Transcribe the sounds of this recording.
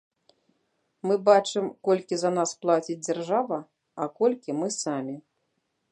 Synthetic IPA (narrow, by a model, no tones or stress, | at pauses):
mɨbat͡ʂɨmkɔlʲkʲizɐnasplˠat͡sʲid͡zʲd͡zʲarʐavɐ | ɐkɔlʲkʲimɨsamʲi